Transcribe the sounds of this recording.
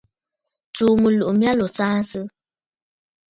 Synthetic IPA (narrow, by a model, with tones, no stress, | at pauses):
t͡suː˨mu˨lu˨ʔmja˦lo˨t͡saː˦n˦sɨ˦